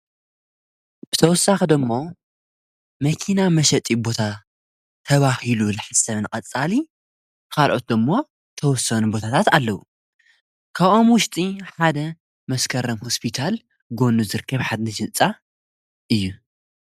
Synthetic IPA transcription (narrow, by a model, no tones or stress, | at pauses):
b̥ɨt̪ʰɐwɔsːaxd̪ɨmːo̞ | mɐkʰinamɐʃɐt̪ʼibo̞t̪ʰa | t̪ʰɐβahilulɨħɨsɐβnɨkʼɐt͡sʼːali | kalʔo̞̰t̪̚d̪ɨmːo̞ | t̪ʰɐwɔsːɐnubo̞t̪ʰat̪ʰat̪alːɐwu | kʰaβʔomwʊʃt̪ʼiħad̪ɐ | mɐskʰɐɾɐmhospʰit̪ʰal | ɡo̞nuzɨɾɨkʰːɐβħad̪̚nɨʃɨnt͡sʼa | ʔɨjːu